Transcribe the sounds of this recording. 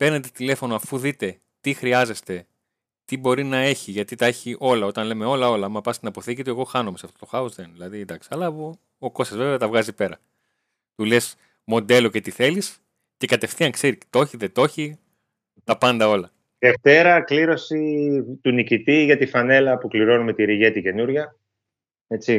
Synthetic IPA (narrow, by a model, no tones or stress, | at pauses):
pe̞ɾne̞t̪et̪ile̞fo̞noɐfuðit̪e̞ | t̪ixɾiɐze̞st̪e | t̪ibo̞ɾinɐe̞çiʝɐt̪it̪ɐe̞çiʔo̞lɐo̞t̪ɐnle̞me̞o̞lɐo̞lɐmɐpɐst̪inɐpo̞θicit̪oe̞ɣo̞xɐnomesɐft̪ot̪o̞xɐuzðenðilɐðind̪ɐksi̥ɐlɐpo | oko̞sɐzve̞veɐt̪ɐvɣɐzipe̞ɾɐ̰ | t̪ule̞s | mo̞nd̪e̞lo̞ce̞t̪iθe̞lis | cekɐt̪e̞fθiɐŋkse̞ɾi̥t̪o̞çiðet̪o̞çi | t̪ɐpɐnd̪ɐo̞lɐ | ðeft̪e̞ɾɐkliɾo̞sit̪unicit̪iʝɐt̪ifɐne̞lɐpukliɾonume̞t̪iɾiʝe̞t̪ice̞nuɾʝɐ | e̞t͡si